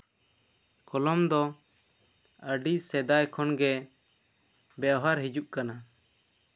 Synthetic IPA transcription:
kɔlɔmd̪ɔ | əɖisɛd̪ajkʰɔnɡɛ | bjaʔɦaɾɦid͡ʒuʔkana

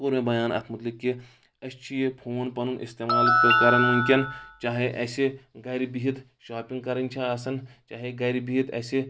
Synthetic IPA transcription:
oːɾmẽbɐjaːnɐ̰t̪ʰmɐt̪likːi | ɐst͡ʃʰijepʰoːnpɐnunʔḭst̪eːmaːlpekɐɾɐnɐnkʲɐnt͡ʃaːɦeʔɐseɡɐjɾibiɦit̪ | ʃaːpĩŋɡ̚kɐɾɐnʲt͡ʃʰaɐsɐnt͡ʃaːɦeɡɐɾibiɦit̪ɐ̰se

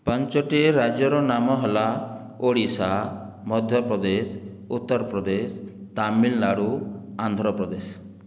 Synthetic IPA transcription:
pɔɲt͡ʃɔʈiɾad͡ʒjɔɾɔnamɔɦela | oɽisa | mɔd̪ʱjɔpɾɔd̪es | ut̪ːɔɾpɾɔd̪es | t̪amilnaɽuand̪ʱɾɔpɾɔd̪es

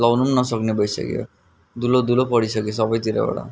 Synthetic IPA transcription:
lɔwnumnɔsɔknebɔjsa̰kḭɔ̰ | d̪ulod̪ulopɔɽisɔkis̬ɔbɔjt̪iɾḛbɔ̰ɽa̰

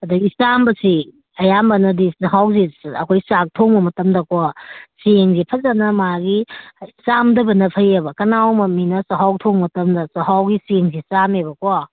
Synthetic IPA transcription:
ɐdɐisambɐsi | ɐjambɐnɐdisɐɦawziɐ̰kʰojsak̚tʰoŋbɐmɐtɐmdɐkwaseŋzipʰɐzanɐmaɡisamdɐbɐnɐpʰɐjɐbɐkɐnawmɐminɐsɐɦawtʰoŋmɐtɐmdɐsɐɦawɡiseŋzisamebɐkowa

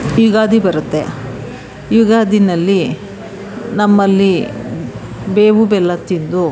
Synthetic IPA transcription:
iːɡaːd̪ibɐɾut̪ːḛ | iːɡaːd̪inɐlːi | nɐmːɐlːi | beːʋubɛlːɐt̪ind̪u

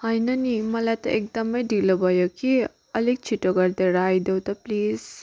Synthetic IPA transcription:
hajnɐnimɐlajt̪ɐ̰ʔek̚d̪ɐmɐjdilɐbajokʰi | ɐlik̚t͡ʃʰitoɡɐɾd̪eɾajd̪ewt̪ɐpliz

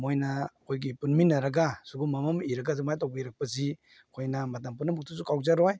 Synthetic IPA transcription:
mojnakʰojɡipunminːaɾaɡasuɡumamamiɾaɡazimajtɔwbɐiɾak̚pazi | kʰojnamat̬ampunɐmuk̚tʰusukʰawzaɾɔj

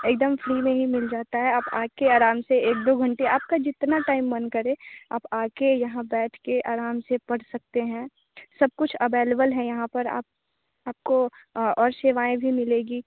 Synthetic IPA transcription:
eːk̚d̪əmfɾiːmẽɦimɪld͡ʒaːt̪aɦɛaːpaːkeaːɾaːmseeːk̚d̪oːɡʱɐ̃ɳʈeaːp̚kad͡ʒɪt̪naʈaːɪmːɐnkɐɾẽaːpaːkejɐɦãbɛːʈʰkeʔaːɾaːmsepɐɽsɐk̚t̪eɦɛ̃ː | sɐb̚kʊt͡ʃʰɐʋeːlebəlɦɛ̃jɐɦãpɐɾa̰ːp̚ | aːp̚koɔːɾseːʋaːẽbʱimɪleːɡiː

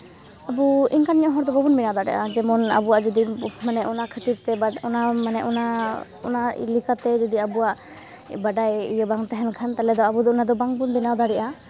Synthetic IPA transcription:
abuiŋkanɲɔɦɔɾd̪ɔbɔbunbinawd̪aɽɛ̰ʔad͡ʒɛmɔna̰buwaʔd͡ʒɔd̪imanɛʔɔnakʰət̪iɾt̪ɛbaɔnamanɛʔɔna | ɔ̰na̰likat̪ɛd͡ʒɔd̪iabuaʔ | baɖajḭjəbaŋt̪ɛɦɛnkʰant̪alɛd̪ɔabud̪ɔɔnad̪ɔbaŋbunbinawd̪aɽɛʔa

